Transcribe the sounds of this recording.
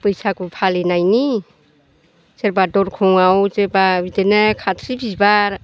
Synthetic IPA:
pɯjsakupʰalinajni | seɾbadɔɾkʰɔŋawt͡ʃeɾbabitenekʰat̪ʰsibʰisbaɾ

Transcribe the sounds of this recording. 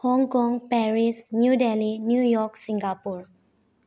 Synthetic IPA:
hɔ̃ŋkɔ̃ŋpɛɹisnjudɛlinjujɔksĩŋɡapuɹ

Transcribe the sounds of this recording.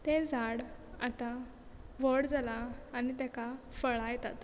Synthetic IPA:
t̪ẽd͡zaɽa̰t̪a | ʋəɽd͡zalaːɽ̃it̪akafəɭajɛt̪at̪

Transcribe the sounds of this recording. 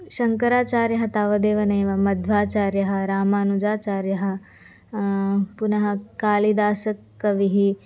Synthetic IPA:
ʃɐŋkɐɾaːt͡ʃaːɾjɐɦɐt̪aːʋɐd̪eːʋɐnɐjʋɐmɐd̪ʱʋaːt͡ʃaːɾjɐɦɐ̆ɾaːmaːnud͡ʒaːt͡ʃaːɾjɐɦɐ̆ | punɐɦɐ̆kaːlid̪aːsɐkː | ɐʋiɦi

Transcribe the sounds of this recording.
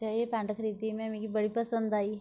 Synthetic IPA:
t͡ʃaepãːɳʈəkʰəɾit̪imẽmĩkibəɽ̤ipəsə̃nd̪aːiː

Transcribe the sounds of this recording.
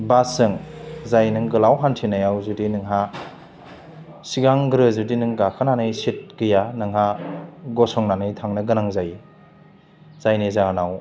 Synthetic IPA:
basɯŋzajnɯŋɡɯlawɦantʰinajawzudinɯŋɦa | siɡaŋɡɾɯzudinɯŋɡakʰɯnanɯjsit̚kɯjanɯŋɦaɡɔsɔŋnanɯjtʰaŋnɯɡɯnaŋzaji | zajnɯjzanaw

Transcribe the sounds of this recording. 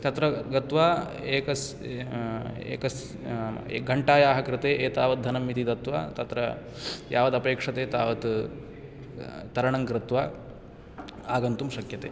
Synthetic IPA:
t̪ɐt̪ɾɐɡɐt̪ʋaː | eːkɐs | ḛːkɐs | ɡʱɐɳʈaːjaːɦɐkɾɪt̪eːʔeːt̪aːʋɐt̪̚d̪ʱɐnɐmːit̪it̪ɐt̪ʋa̰ːt̪ɐt̪ɾɐ | ja̰ːʋɐd̪ɐpeːkʂɐt̪eːt̪a̰ːʋɐt̪ | t̪ɐɾɐɳɐŋkɾɪt̪ʋaː | aːɡɐnt̪umʃɐkjɐt̪ḛː

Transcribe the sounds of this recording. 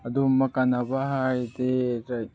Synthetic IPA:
ad̪umakanabaɦajd̪eɾaj

